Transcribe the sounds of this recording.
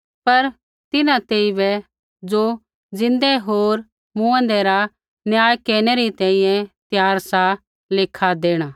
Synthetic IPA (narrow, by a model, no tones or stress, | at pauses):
pɐɾ | t̪ɪnãt̪eiʋɛ | d͡ʒo | d͡ʒɪ̃nd̪ɛɦoːɾ | mũə̃nd̪ɛɾa | njaːjkeːɽ̃ɛɾit̪ɛ̃ːĩjɛ̃t̪jaːɾsa | lɪkʰad̪eːɽ̃aː